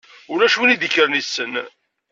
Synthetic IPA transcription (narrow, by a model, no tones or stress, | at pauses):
ʊɾæʃunid̪əçəɾənisːən